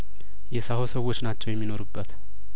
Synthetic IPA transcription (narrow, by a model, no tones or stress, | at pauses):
jɛsahosəwo̞t͡ʃːnat͡ʃːɛwjɛmːino̞ɾubːət̪